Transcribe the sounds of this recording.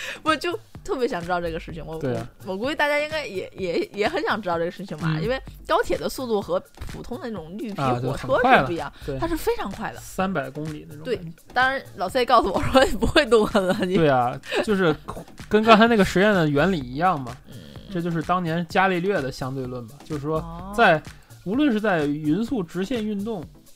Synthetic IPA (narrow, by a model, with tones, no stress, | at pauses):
wɔ˥˩t͡ɕjo˥˧ʊt̪ʰɤ˥˩pjɛ˧˥ɕjɑ˨˩ŋʈ͡ʂɻ̩˥t̪ɑ˥˧ʈ͡ʂɤ˥˩ɡə˩ʂɻ̩˥˩t͡ɕʰi˩ŋwɔ˧˩t̪we˥˧˩wɔ˨˩ku˧˥wɪt̪a˥˩t͡ɕja˥i˥ŋka˥ɪjɛ˨˩˥jɛ˧˥jɛ˧˥xə˧˥nɕjɑ˨˩ŋʈ͡ʂɻ̩˥tɑ˥˧ʈ͡ʂɤ˥˩ə˧ʂɻ̩˥˩t͡ɕʰi˨˩ŋmɐ̰˩ḭ˥nwe˥˩ɪkɑ˥ʊt̪ʰjɛ˨˩d̪ə˦su˥˧lu˥˩xɤ˧˥pʰṵ˨˩t̪ʰʊ˥ŋd̪ə˧nə˥˩ʈ͡ʂʊ˨˩ŋly˥˧pʰi˥˩t͡ɕo˥ɔ˩˨˩xə˨˩ɔ˥wa˥˩˧ləu˥˩i˧jɑ˥˩ŋt̪we˧˩ɪa˥ʂɻ̩˥˩fe˥ɪʈ͡ʂʰɑ˧˥ŋkʰwa˥˩ɪd̪ə̰˩sa˥npa˨˩ɪkʊ˥ŋli˨˩d̪ə˦nə˥˩t̪we˥˩ɪ | t̪ɑ˥ŋɻa˧˥nlɑ˨˩ʊsə˥˩˥kɑ˥˩ʊsə˨˩wɔ˨˩ʂwɔ˥i˨˩pu˧˥xwe˥˧ɪt̪ʊ˥˧ŋkə˥˩ə˧˩˥we˥˩ɪɐ˩t͡ɕo˥˧ʊʂɻ̩˥˩kə˥nkɑ˥sʰa˥na˥˩ɡə˩ʂɻ̩˧˥jɛ˥˩nd̪ə˩ɥɛ˧˥nli˨˩i˧˥jɑ˥˩ŋmɐ˩˥˩ʈ͡ʂɤ˥˧t͡ɕjo˥˧ʊʂɻ̩˥˩t̪ɑ˥ŋnjɛ˧˥nt͡ɕja˥li˥˧lɥɛ˥˩d̪ə˩ɕjɑ˥ŋt̪we˥˧ɪlwə˥˩nbɐ˩t͡ɕjo˥˧ʊʂɻ̩˥˩ʂwɔ˥t͡sa˥˩ɪ | u˧˥lwə˥˧nʂɻ̩˥˧t͡sa˥˩ɪy˧˥nsu˥˩ʈ͡ʂɻ̩˧˥ɕjɛ˥˧ny˥˧nt̪ʊ˥˩ŋ